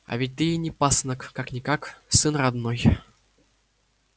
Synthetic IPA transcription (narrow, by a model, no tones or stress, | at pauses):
a̰vʲɪt̚ʲt̪ɨinʲɪpasnəkːaknʲɪkaksɨnrad̪noj